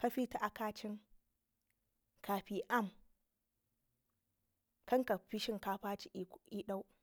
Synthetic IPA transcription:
ka˦ɸi˦ta˨ʔa˨kaː˦t͡ʃɪ˦ŋ | kʰaː˨ɸi˦ʔa˦˨m | kɐ˦ŋka˨ɸi˦ʃɪ˦ŋkaː˦ɸaː˦t͡ʃi˦i˦ɗa˦w

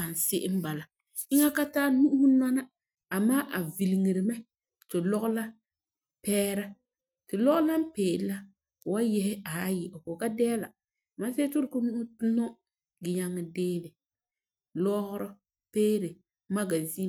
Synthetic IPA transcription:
a˨n˨sɪ˦ʔɪ˦m̩˦ba˨la˨ | ɪ˦ŋa˦ka˦taː˦nu˦ʔʊ˦hʊ˦na˦na˦ | a˨maː˦ʔa˨vi˨li˨ŋi˨ɾɪ˨mɛ˦ | tɪ˨lɔ˦ɣʊ˦la˦ | pɛː˦ɾa˦ | tɪ˨lɔ˦ɣʊ˦la˦m˦peː˨˦la˦˨ | wa˦jɛ˦hɪ˦a˨˦jɪ˨ʔo˨ko˨ka˦dɛː˦la˨ | ma˦se˦tʊ˦ɾkʊ˦n˦tnɔ˦ | ɡɪ˨ɲa˦ŋːɪ˨deː˦lɪ˨ | lɔ˦ɣʊ˦ɾɔ˦ | peː˦ɾɪ˨ | ma˦ɡa˨zi˦

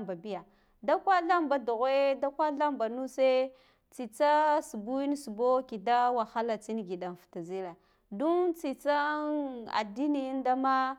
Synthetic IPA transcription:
ba˨bi˦ja˨ | da˦kʷa˦ɬa˦mba˨du˨ɣe˦da˦kʷa˦ɬa˦mba˨nu˦se˦ | t͡si˨t͡sa˦su˨bu˦i˦n˦su˨bo˦ki˨da˦wa˨xa˦la˨t͡si˦n˦ɡi˨da˨n˨fta˨zi˦la˨ | du˦t͡si˨t͡sa˦a̰˨di˦ni˨˦n˦da˦ma˦

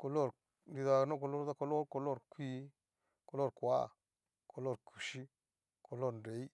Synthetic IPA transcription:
ko˨lo˦˨ɾ | ɾi˨ða˨no˦ko˧lo˦ɾda˦ko˧˦lo˦ɾko˧˨lo˦˨ɾkʷi˦ | ko˨lo˦˨ɾkwa̰˦˨ | kʰo˨lo˦ɾkʰu̥˨ʃi˦ | ko˨lo˦ɾn˨ɾe˨˦i˦

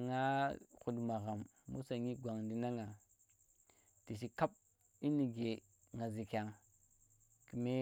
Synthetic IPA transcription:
ŋa˦xu˨dma˨ɣa˨mː | ṵ˦sa˨ŋi˦ɡʷa˨ŋdi˦na˦ŋa˨ | ti˨ʃ̬i˨ka˦p̚ | i˦ni˨ɡe˨ | ŋa˨zi˨ka˨ŋ | ki˨me˦

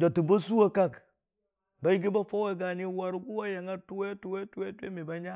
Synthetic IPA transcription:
d͡ʒo˨tu˨ba˦su˦a˨ka˦k | ba˨ji˦ɡ̬i˦ba˦fo˦we˦˨ɡa˨ni˦wa˨ɾɡu˦wa˦ja˨ŋa˦tu˦we˦tu˦we˦tu˦we˦tʷḛ˦mi˨ba˦ɲa˦

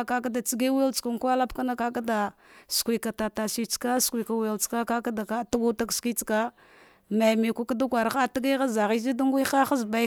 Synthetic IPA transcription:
ka˦k̬a˦da˨t͡si˦ɡe˦we˦lt͡ʃka˨ŋ˦ka˦la˦pka˦na˦ka˦ka˦da˨skʷi˨ka˨ta˨ta˨si˦t͡ʃka˦skʷi˨ka˨we˨lt͡ska˦ka˦ka˦da˨ka˦ta˦ɡu˦ta˦kski˦t͡ska˦ | ma˨me˨kʷa˦ka˦da˦kʷa˨ɾa˨˦a˦ta˦ɡa˦ɣa˦za˨ɣi˦zi˦da˦ŋɡʷi˦a˦xa˦zba˨˦

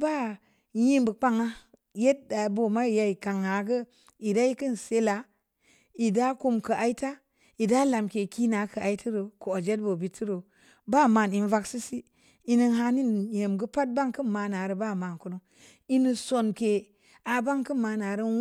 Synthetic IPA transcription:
ba˦˨ | ji˦mbə˨k͡pa˦ŋa˦ | je˦t̚da˨bo˨ma˦i˨ja˧i˨ka˨ŋa˨ɡə˦ | i˨da˦i˦kɨ˦n˨se˦la˨˦ | i˨da˦ku˧mkə˨ʔa˨i˦ta˦ | i˨da˦la˨mke˨ki˦na˨˦kə˨a˨i˦tʰi˦ɾo˨ko˨o˨d͡ʒe˦t̚bo˨bi˨ti˦ɾo˨ | ba˦ma˨ni˨n˦va˦ksi˦si˦ | i˨ni˧nɦa˧˦ni˦nje˨mɡə˦pa˦t̚ba˦ŋkɨ˦nma˨˧na˨ɾə˨ba˦˨ma˨nku˨nu˦ | i˦nɨ˨so˨nke˨ | a˨ba˦ŋkɨ˦nma˨na˨ɾə˦

